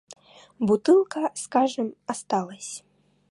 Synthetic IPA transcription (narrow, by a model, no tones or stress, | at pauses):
but̪ɨlˠkɐskaʐɨmast̪alˠɐsʲ